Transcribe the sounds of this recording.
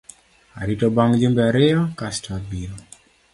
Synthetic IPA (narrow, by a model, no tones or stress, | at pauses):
a̰ɾitobaŋd͡ʒumbeaɾɪɔkastabiɾo